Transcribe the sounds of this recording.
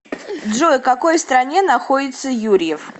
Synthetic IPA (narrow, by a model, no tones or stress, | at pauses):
d̪ʐojkɐko̞jst̪ɾɐnʲe̞nɐxo̞dʲɪt̪səjuɾʲɪɪf